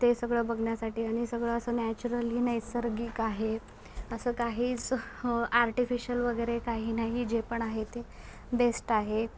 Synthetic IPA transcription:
t̪esəɡɭəːbəɡɳjasaʈiːaɽ̃isəɡɭəəsəːnæt͡ɕuɾəliːnajsəɾɡiːkaɦe | əsəːkaɦiːt͡s | aɾʈifiɕəlʋəɡəjɾekaɦiːnaɦiːd͡ʑepəɳaɦet̪e | besʈaɦe

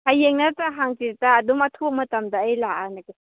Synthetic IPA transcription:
hajeŋnataɦaŋtiɾtaːdumatʰumɐtɐmdaːjlaʔanake

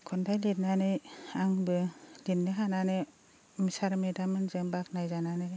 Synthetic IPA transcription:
kʰɔndajlet̚nanɯaŋbɯlinːɯɦananɯ | misaɾmedamɯnzɯmbak̚najzananɯ

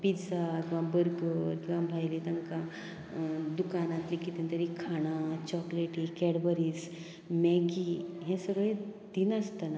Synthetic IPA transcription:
pid͡zakĩʋãbəɾɡəkĩʋabʱajlet̪ãŋkã | d̪ukanãt̪likit̪ent̪əɾikʰaɽ̃at͡ɕɔkleʈikɛɽbəɾiːs | mɛɡiɦɛ̃səɡɭe | d̪̥inəst̪əna

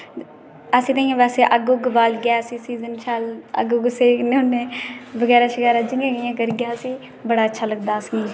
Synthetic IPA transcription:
əsĩːt̪ãːĩãːʋɛːseːʔəɡoːɡʋaːlɡɪaːsiːsiːzənʃaːlə̰ɡoɡseːneʊnːeːʋəɡɛːɾaːʃəkɛːɾaːd͡ʒɪ̃ŋɡãːɡəjãːkəɾɡɪjaːsiː | bəɽaːətːʃʰaːləɡd̪aːsiẽː

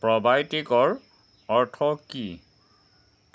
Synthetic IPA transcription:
pɹɔbajtikɔɹ | ɔɹtʰɔki

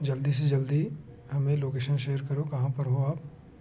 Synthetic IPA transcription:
d͡ʒɐld̪is̬ed͡ʒɐld̪i | hɐmẽloːkeːʃənʃeːəɾkɐɾokɐɦãpɐɾɦoaːp̚

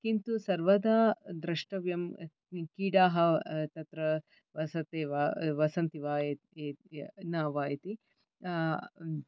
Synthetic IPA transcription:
kint̪usɐɾʋɐd̪aːd̪ɾɐʂʈɐʋjɐm | kiːɽaːɦɐt̪ɐt̪ɾɐ | ʋɐsɐt̪eːʋaʋɐsɐnt̪iʋaːjet̪eːnaːʋaːjɐt̪i

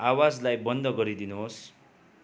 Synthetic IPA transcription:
awad͡zlajbʌnd̪ʱʌɡʌɾid̪inuɦos

